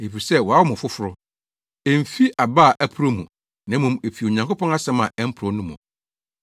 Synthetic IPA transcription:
e˨fi˨sɛ˦wɔ˨a˦wɔ˦mʊ̃˨fʊ˦fʊ˦ɾʊ˦ | e˨m̩˨fi˦a˨ba˦˨ʔæ˦pʰu˨ɾo˦mṵ̃˨ | nã˦mũ˨me˨fi˨o˨ɲã˨ŋko˦pɔ̃˦na˦sɛ̃˦mã˨ʔɛ˦m̩˦pʰʊ˨ɾɔ˨˦nũ˦mʊ̰̃˨

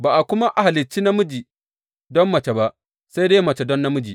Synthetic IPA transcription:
baː˨ʔa˨kʷʊ˦ma˦ʔa˨ha˨lɪ˨t͡ʃːiː˦na˦mʊ˦d͡ʒiː˨ | dɔ˦mːɐ˨t͡ʃe˨ba˦ʔ | sa˦jdeː˦mɐ˨t͡ʃe˨dɔ˦nːa˦mʊ˦d͡ʒḭː˨

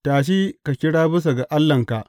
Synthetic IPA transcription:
taː˨ʃ̬i˦ka˨kʲɪ˦ɽaː˦bɪ˦s̬a˨ɡa˨ʔa˦lːɐ˨ŋka˨ʔ

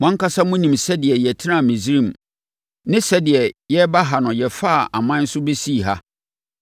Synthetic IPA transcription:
mã˦ŋka˦sa˦mʊ̃˦nĩ˨msɛ˦dɪ˨ɛ˨jɛ˨tʰɪ˦nã˦˨mĩ˨si˦ɾĩ˦m̩˨ | nɪ̃˦sɛ˦dɪ˨ɛ˨jɛ˦ba˦ɦa˨nʊ̃˨jɛ˨fa˦˨ʔa˨mã˦n̩˦sʊ˦be˦si˦˨ɦa˦

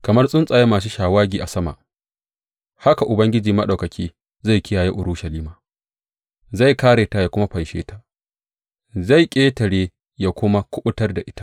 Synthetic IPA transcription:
kɐ˨mɐ˦rsʼʊ˦nsʼa˨je˦maː˨s̬u˦ʃaː˨waː˦ɡʲiː˨ʔa˨sɐ˦ma̰˨ʔ | ha˦ka˨ʔʊ˨bɐ˦ŋɡʲɪ˦d͡ʒiː˨mɐ˦ɗa˨wkɐ˨kʲiː˦ | za˦˨jkʲɪ˦jaː˨je˦ʔʊ˨ɾʊ˦ʃɐ˨liː˦maː˨ | za˦˨jkaː˦ɾeː˨ta˨ja˨kʷʊ˦ma˦ɸɐ˨nʃḛː˦ta˦ | za˦˨jkʲʼeː˦tɐ˨ɽeː˦ | ja˦kʷʊ˦ma˦kʷʊ˦ɓʊ˦tɐ˦rda˨ʔɪ˦tḁ˦ʔ

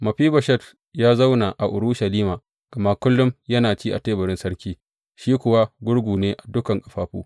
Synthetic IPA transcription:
mɐ˨ɸiː˦bɐ˨ʃɛ˦t | jaː˦za˦wna˨ʔa˨ʔʊ˨ɾuː˦ʃɐ˨liː˦maː˨ | ɡ̥ɐ˨ma˦kʷʊ˦lːʊ˦mjɐ˦naː˨t͡ʃiː˦ʔa̰˨teː˦bɐ˨ɾɪ˦nsɐ˦ɾkʲiː˦ | ʃiː˦kʷʊ˦˨wa˦ɡʷʊ˦ɽɡʷuː˨neː˦ʔa˨dʊ˦kɐ˨ŋkʼɐ˨ɸaː˦ɸṵː˦

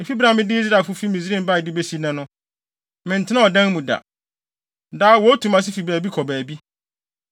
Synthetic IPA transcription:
ɪ˨fi˦bɾã˨mɪ̃˦dɪ˦i˦s̬ɾa˨fʊ˦fi˦mi˨s̬ɾi˦˨mba˦˨ɪ˨dɪ˦be˦si˦nã˨nʊ̃˦ | mɪ̃˨n̩˨tʰɪ˦nã˦ɔ˨dã˦ŋ˦mũ˨da̰˨ | daː˦wɔ˦tʰũ˨mã˦s̬ɪ˦fi˨bæː˨bi˦kʰɔ˨bæː˨bi˦

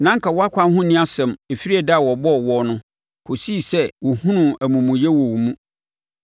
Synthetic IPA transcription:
nã˦ŋ̩˦kʰa˨wɔ˦a˦kʷʰã˦nɦʊ̃˦nĩ˦a˦sɛ̃˨me˨fi˦ɾi˦ɛ˨da˦˨wɔ˨bɔ˦˨wɔ˦nʊ̃˦ | kʰo˨si˦˨sɛ˦wɔ˨hũ˦nũ˨æ˨mũ˨mũ˨jɛ˦wɔ˨wmũ˦

